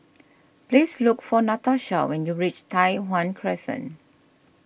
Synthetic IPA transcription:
plislukfɔnataʃa̰wɛ̃njuɹit͡ʃtʰajwãnkʰɹɛsə̰̃n

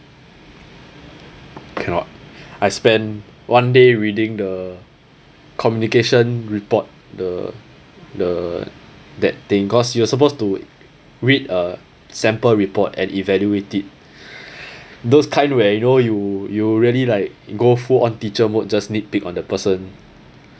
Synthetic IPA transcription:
kʰɛ̃nɔ̰t̚ajspɛ̃ndwʔãndeɹidĩŋdə | kʰɔmjunikeʃə̃nɹipɔt̚ | də | də | dɛt̚t̪ĩŋkɔsjuasəp̬ostu | ɹidə | sɛ̃mpəɹipɔtɛ̰̃nʔivɛljuetit̚ | doskʰãɪ̃nwɛjunojujuɹiəlilaɪk̚ɡofuɔ̃ntit͡ʃəmot̚d͡ʒasnit̚pikɔ̃ndəpəsə̃n

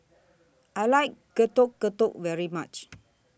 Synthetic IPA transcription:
ajlajkːətɔkːətɔk̚vɛɹimat͡ʃ

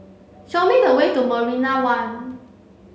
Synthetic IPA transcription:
ʃɔmĩdəwedoməɹinawãn

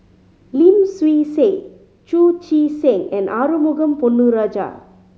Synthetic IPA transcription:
limswiːseː | t͡ʃut͡ʃiːsẽŋɛ̃nɖaːɾumuɡɐmpunːuɾad͡ʒa̰ː

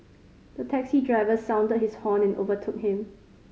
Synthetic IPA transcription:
d̥ətʰɛksidɹaɪvəsãʊ̃ndət̚hishɔ̃nɛ̃nʔovətʰʊk̚hɪ̃m

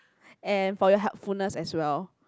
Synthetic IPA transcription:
ɛ̃nfɔjɔɦɛlfulnəsɛswɛl

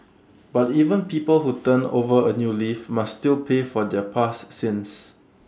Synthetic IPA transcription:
b̥ativə̃npipəlhutə̃no̰vəənjulifmastilpʰefɔdɛpʰassɪ̃ns

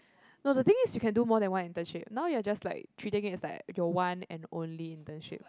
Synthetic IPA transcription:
nodət̪ɪ̃ŋɪsjukʰɛ̃ndumɔdɛ̃nwãnĩntə̃nʃep̚naʊjuad͡ʒaslaɪk̚tʰɹitɪ̃ŋɪsdɛ̰tjɔwãnɛ̰̃nõ̰nliɪ̃ntə̃nʃɪ̰p̚

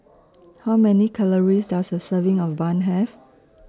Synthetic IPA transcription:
hawmɛnikʰaləɹisdasdəsəvĩŋɔfbãnɦɛf

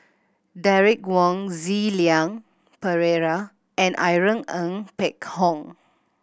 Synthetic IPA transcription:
dɛɹik̚wɔ̃ŋziliãŋ | pəɹeɹa | ʔɛ̃nʔa̰jɹə̃ŋə̃ŋpɛkhɔ̃ŋ

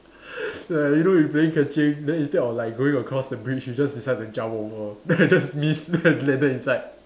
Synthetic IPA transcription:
jajunojupleɪ̃ŋkʰɛt͡ʃẽŋdɛĩnstɛdɔflaɪk̚ɡoɪ̃ŋəkʰɹɔsdəbɹit͡ʃjud͡ʒasdisaɪd̚ɛ̃nd͡ʒawɔŋɔdd͡ʒasmisdəlɛdəĩnsaɪd̚

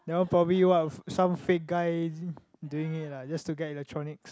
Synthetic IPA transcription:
dɛwõnpʰɹɔbəbliwɔtsãmfek̚ɡaɪ | duĩŋit̚lad͡ʒastuɡɛtilɛk̚tʰɹɔnɪks

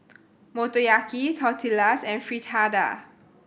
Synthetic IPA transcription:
motojakitʰɔtʰilasɛ̃nfɹitʰada̰

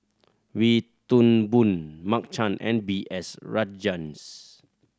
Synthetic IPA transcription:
wit̪unbunmak̚t͡ʃãnʔɛ̰̃nbiʔɛsɹad͡ʒãns

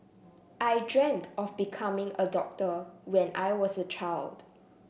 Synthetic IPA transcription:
ʔajdɹɛ̃mtɔfbikʰamɪ̃ŋədɔk̚təwɛ̃nʔa̰jwɔsət͡ʃʰaɪld̥

